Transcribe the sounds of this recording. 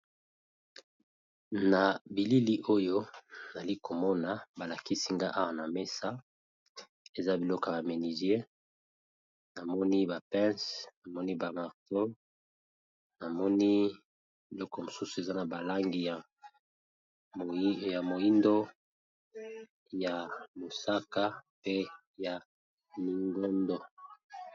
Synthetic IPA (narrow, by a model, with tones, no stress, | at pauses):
na˨bi˨li˦li˦ʔo˦jo˦n˨a˨li˦ko˨mɔ˦na˨ba˨la˨ki˦si˦ŋɡa˦ʔa˦wa˦na˨me˦sa˦ | e˨za˦bi˨lɔ˦ka˨ba˨me˨ni˨ze˦ | na˨mɔ˦ni˦ba˨pɛ̃˦sna˨mɔ˦ni˦ba˨ma˨ʁto˦ | na˨mɔ˦ni˦ | bi˨lɔ˦kɔ˨mo˨su˦su˨e˨za˦na˨ba˨la˦ŋɡi˨ja˨ | ja˨mo˨i˦ndo˦ | ja˨mo˨sa˦ka˦pe˦ | ja˨ | mi˨ŋɡo˦ndo˨